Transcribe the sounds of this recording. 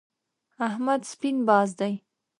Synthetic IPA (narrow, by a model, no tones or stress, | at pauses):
ahmad̪spinbɑzd̪aj